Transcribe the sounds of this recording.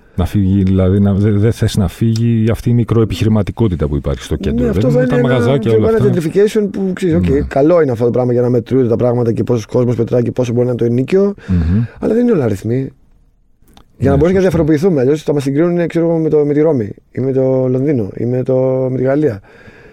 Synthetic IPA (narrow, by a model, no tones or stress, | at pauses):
nɐfiʝiðilɐðinɐðeðeθesinɐfiʝiɐft̪iːmikɾoepiçiɾimɐt̪iko̞t̪it̪ɐpuipɐ̰ɾçi̥st̪o̞nenneɐfðet̪ooent̪ɐmɐɣɐzɐcɐolenɐed̪ɾificejsio̞npukseɾisoceikɐlo̞ineɐft̪otopɾɐɣmɐʝɐnɐme̞t̪ɾuet̪et̪ɐpɾɐɣmɐt̪ɐcepo̞sosko̞zmospe̞t̪ɾɐcepo̞sobo̞ɾinɐnt̪oiniceo̞çɐ̰lɐðenineolɐɾiθmi | ʝɐnɐbo̞ɾusmnɐðjɐfoɾo̞p̬iːθumeɐʎosost̪ɐmɐsiɡɾinunekseɾoɣomet̪omet̪iɾo̞miḭmemet̪olo̞nðino̞ḭmet̪o̞me̞t̪iɣɐliɐ